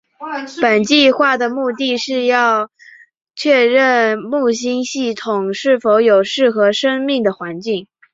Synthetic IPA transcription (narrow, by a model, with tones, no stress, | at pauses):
pə˨˩nt͡ɕi˥˧xwa˥˩d̪ə˩mu˥˧t̪i˥˧ʂɻ̩˥˧jɑ˥˧ʊ | t͡ɕʰɥɛ˥˧ɻə˥˩˧nmu˥˩ɕ̬i˥nɕi˥˩t̪ʰʊ˨˩ŋʂɻ̩˥˩fo˧˥ʊjo˨˩ʊʂɻ̩˥˩xɤ˧˥ʂə˥ŋmi˥˩ŋd̪ə˩xwa˧˥nt͡ɕi˥˩ŋ